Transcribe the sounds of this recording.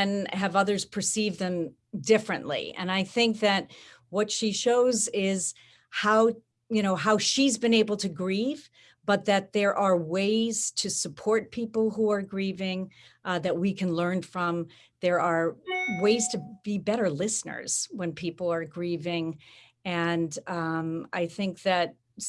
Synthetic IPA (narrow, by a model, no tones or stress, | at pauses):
nɨvʌðə˞z̥pʰə˞sivðɨ̃m | dɪfɹɨ̰̃nʔlḭɨ̰̃naɪθɪ̃ŋk̚ðɨt̚ | wʌtʃiʃoʊzɪz̥ | haʊ | jɨñoʊɦaʊʃizbɨ̃neɪbl̩ˠtʰɨɡɹiv̥ | b̥ʌt̪̚ðɨt̪̚ðə˞ʔə˞weɪz̥tʰɨsəpʰɔɹt̚pʰipl̩ˠhuə˞ɡɹivɪ̃ŋðɨt̚wikʰɨ̃nlɜ̃˞nfɹʌ̃m | ðə˞ʔə˞weɪz̥tʰɨb̥ibɛɾə˞lɪsnə̰˞z̥wɨ̃npʰipl̩ˠə˞ɡɹivɪ̃ŋ | ɨ̃n | a̰ɪθɪ̃ŋk̚ðɨt̚